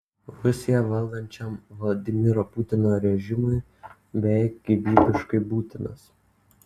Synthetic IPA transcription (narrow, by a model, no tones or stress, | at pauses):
ʋʲʊsʲiɛʋɐlˠɡɐnʲt͡ʃʲɛmʋlˠɐd̪ʲɪmʲɪɾoːpʊt̪ʲɪnoːɾʲɛʒʲɪmʊɪ | bʲɛɡʲɪbʲiːbʲɪʃkɐɪbuːt̪ʲɪnɐs